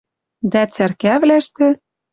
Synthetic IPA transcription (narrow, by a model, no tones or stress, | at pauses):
d̪æt͡særkævlæʃt̪ĕ